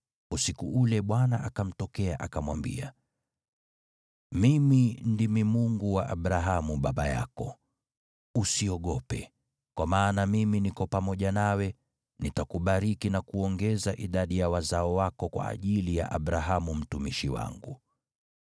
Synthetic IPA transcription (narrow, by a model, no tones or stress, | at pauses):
usikuʔulɛɓwanaʔakam̩tɔkɛa̰ʔakamwambḭa | mimindimimuŋɡuwaʔaɓɾaɦamuɓaɓaja̰kɔ | usiɔɠɔpɛ | kwamaːnamiminikɔpamɔʄanawɛ | nitakuɓaɾikinakuɔŋɡɛzaʔiɗaɗijawazaɔwakɔkwa̰ːʄilija̰ʔaɓɾaɦamum̩tumiʃiwa̰ŋɡu